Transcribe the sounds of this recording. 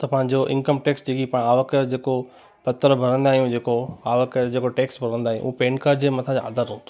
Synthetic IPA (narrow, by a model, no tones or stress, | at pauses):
t̪ɐpãɦɪ̃ɲ̆d͡ʑoʔɪ̰̃nkəmʈeːksd͡ʑeɡipaːɽ̃aːʋəkd͡ʑeːko | pɐt̪əɾbʱɐɾə̃nd̪aːɦijũd͡ʑeːkoaːʋəkd͡ʑeːkoʈeːksbʱɐɾə̃nd̪aːɦijṵ̃ʔuũpeːnkaːd͡ʑeːmɐt̪ʰãd͡ʑaa̰ːd̪əɾõːt̪ʰo